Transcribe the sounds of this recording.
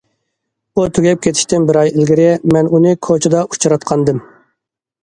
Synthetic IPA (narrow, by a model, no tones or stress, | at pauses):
ut̪ʰyɡʲɛp̚kʲʰet̪ʰɪ̥ʃt̪ɪnbɪɾɑjlɡʲɪɾɛmɛnunɨkʰot͡ʃʰɪd̪ɑʔu̥t͡ʃʰɾɑt̪̚qʰɑnd̪ɨm